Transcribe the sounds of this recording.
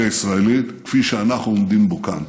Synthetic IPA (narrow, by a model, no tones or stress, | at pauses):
aisʁaelit̪kfiʃeanaχnuomd̪imboka̰n